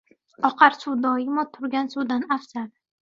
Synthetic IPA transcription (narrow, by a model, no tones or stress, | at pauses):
ɒqʰɑɾsuwd̪ɒɪmɒt̪ʰʊɾɡʲansuwd̪anafsaɾ